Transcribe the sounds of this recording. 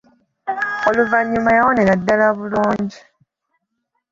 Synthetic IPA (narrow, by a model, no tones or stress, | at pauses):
o̞luvaɲːumajawoneɾadːalaβuluːɲɟi